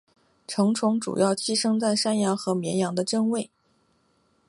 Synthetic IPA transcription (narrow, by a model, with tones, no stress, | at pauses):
ʈ͡ʂʰɤ˧˥ŋʈ͡ʂʰʊ˧˥ŋʈ͡ʂṵ˨˩jɑ˥˩ʊt͡ɕʰi˥ʂɤ˥ŋt͡sa˥˩ɪʂa˥njɑ˧˥ŋxɤ˧˥mjɛ˧˥njɑ˧˥ŋd̪ə˧ʈ͡ʂɤ˥˧ŋwe˥˩ɪ